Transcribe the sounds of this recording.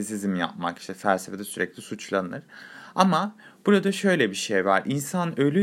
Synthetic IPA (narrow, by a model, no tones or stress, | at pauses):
isizimja̰p̚ma̰ki̥ʃt̪ʰɛfælʲsefed̪ɛsyɾɛclʲisut͡ʃlˠanɯɾ̥amab̥uɾad̪aʃø̞jlʲɛbiʃejva̰ɾʔinsanølʲy